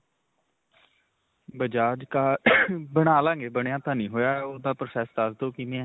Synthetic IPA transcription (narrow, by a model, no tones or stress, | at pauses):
bəd͡ʒaːd͡ʒkaːbəñaːlãːŋɡeːbəɽejãːt̪ãːnĩːɦoːjaːoːd̪aːpɾəsɛːsd̪azd̪oːkineːɛ̃ː